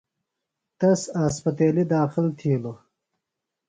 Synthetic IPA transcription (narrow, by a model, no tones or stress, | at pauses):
t̪ɐsaspɐt̪eːlid̪aːxɪlt̪ʰiːlo